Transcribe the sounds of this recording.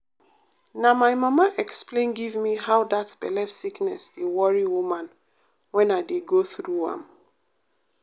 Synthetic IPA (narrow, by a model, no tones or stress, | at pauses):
namaɪmʌmaʔɛksplẽnɡivmiɦawdatb̥ɛlɛsiknɛsewɔɹiwumãn | wɛ̃naɪdeɡoθɹuã̰m